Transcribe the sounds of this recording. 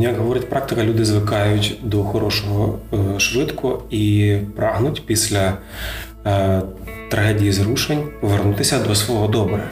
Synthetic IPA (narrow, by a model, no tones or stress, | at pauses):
jɐkɦɔʋɔɾɪtʲpɾɑk̚t̪ɪkɐlʲud̪ɪzʋɪkɑjʊtʲd̪ɔxɔɾɔʃɔɦɔʃʋɪt̪kʊipɾɑɦnʊtʲpʲisʲlʲɐ | t̪ɾɐɦɛdʲijizɾuʃenʲpɔʋernut̪ɪsʲɐd̪ɔsʋɔɦɔd̪ɔbɾɐ